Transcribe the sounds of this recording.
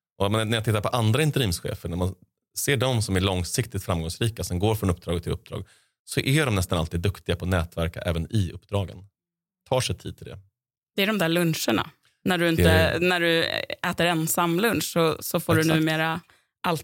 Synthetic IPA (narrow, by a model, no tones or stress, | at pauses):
ɔmɛnnæɾjat̪ɪt̪ːaɾpʰɔʔand̪ɾaɪnt̪ɛɾiːmsɧḛːfəɳæman | seːɖɔmsɔmæɭɔŋsɪkt̪ɪt̪fɾamɡɔŋsɾiːkasɔmɡoːɾfɾɔnɵp̚ːd̪ɾɑːɡət̪ʰːɪlɵ̰p̚ːd̪ɾɑ̰ːɡ | sɔʔæɖɔmnɛst̪analt̪iːd̪ːɵkt̪ɪɡapʰɔnɛːt̪væɾka̰ʔɛ̰ːvənɪɵpːd̪ɾɑːɡə̰n | t̪ʰɑːʂɛjt̪ʰiːd̪̚tʰɪld̪ɛ̰ | d̪̥ɛæɖɔmd̪æːɭɵnʂəɳa̰ | næɖɵɪnt̪ənæɖɵɛːt̪əɾɛnsamːlɵnʂsɔsɔfoːɖɵnʉ̟ːmeːɾa | ʔal